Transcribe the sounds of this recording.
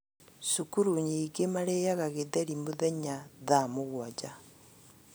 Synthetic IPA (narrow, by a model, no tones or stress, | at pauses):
sukuɾuɲiɡemaɾejaɣaɣeðɛɾimoðɛɲaðamoɣwad͡ʒa